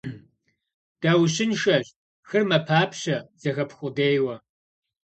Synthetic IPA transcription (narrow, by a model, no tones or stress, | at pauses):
d̥aːwɕɪnʃɐɕ | xɨrmɐpʰaːpʰɕɐz̥ɐxɐpʰxʷʊdeːjwɐ